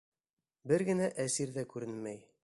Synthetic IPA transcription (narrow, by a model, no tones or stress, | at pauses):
bɘɾɡɘ̆næʔæsiɾðækʉɾɘnmæj